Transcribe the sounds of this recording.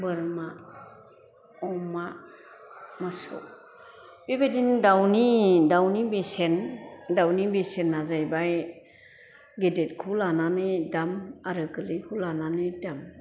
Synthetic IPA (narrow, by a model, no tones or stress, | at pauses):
bɯɾma | ɔma | masɔ̰ | b̥ebedindawnidawnibesendawnibesenːazajbaj | ɡedet̚kʰulananɯdamaɾɯkɯlikʰulananɯdam